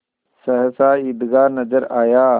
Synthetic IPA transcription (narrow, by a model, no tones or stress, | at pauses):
sɐɦəsaːid̪ɡaːnɐzəɾaːjaː